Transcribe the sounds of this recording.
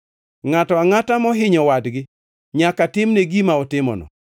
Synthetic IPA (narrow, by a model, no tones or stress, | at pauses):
ŋatɔaŋatamɔɦɪɲɔwadɡɪ | ɲakatɪmneɡimaɔtɪmɔ̰nɔ̰